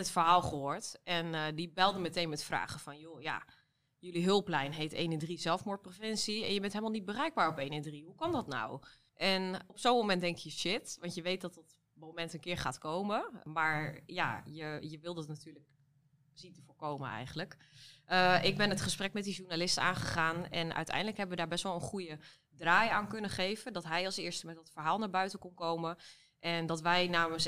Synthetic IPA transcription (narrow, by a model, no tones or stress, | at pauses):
ətfəɹɦaːlˠχəoːɹtɛndibɛlˠdəmətejnmɛtfra̰ːχəfɔnjoja̰ | jøliɦɪlˠplɛjnɦejtḛːnɪndrizɛlˠfmʊːɹt̚profɪnsiɛ̰njəbɛntɦɛlˠmalˠnit̚bərɛjɡ̚baːɹɔpejnɪndriɦukɑndɔtna̰w | ʔɛnɔpsowmomɛntdɛŋkkjəʃɪtʋɑntjəʋejt̚dɔtdɔt | momɛntənkɪːɹχa̰ːtkowməmaɹja̰jəjəʋɪlˠdɔtnatyːɹlək | sitəvoːɹkowmə̰nɛ̰jχənələk | ʔəɪɡ̚bɛnətχəsprɛkmɛt̚diʒuɹnalɪstəa̰ːnχəχaːnɛ̰nʔœ̰ɥtɛ̰jndələkɦɛbəʋədaːɹbɛstʋɛlˠənχujə | draːjaːnkønəχejvədɔtɦɛjɑlˠsɪːɹstəmɛtdɑtfəɹɦaːlˠnaːɹbœɥtəkɔnkowmə | ʔɛndɔtʋɛjnaːməs